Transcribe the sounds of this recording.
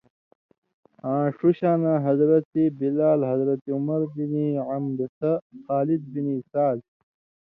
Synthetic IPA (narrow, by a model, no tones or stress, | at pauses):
ãːʂuɕaːnãːɦɐzɾɐt̪ibilaːlɦɐzɾɐt̪iumɐɾbiniʕamd̪sɐxaːlid̪̚binisaːz